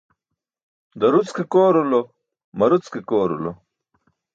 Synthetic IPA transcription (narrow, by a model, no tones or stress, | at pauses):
d̪ɐɾut͡skekoːɾulo | mɐɾut͡skekoːɾṵlo̰